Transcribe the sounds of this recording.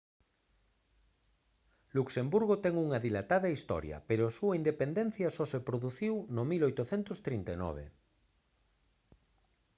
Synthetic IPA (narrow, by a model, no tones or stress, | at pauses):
luksembuɾɣ̞ot̪ɛŋuŋɐðilat̪aðɐist̪ɔ̰ɾjɐ̰peɾoasuaind̪epend̪ɛn̟θjɐsɔsepɾoðuθiwnomilojt̪oθɛnt̪ost̪ɾint̪enɔ̰β̞ḛ